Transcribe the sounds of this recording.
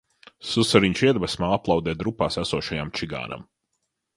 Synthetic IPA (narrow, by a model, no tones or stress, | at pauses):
susaɾiɲʃiɛd̪basmaːaplˠɑwd̪ɛːd̪ɾupːaːsæsuɔːʃajamt͡ʃiɡa̰ːna̰m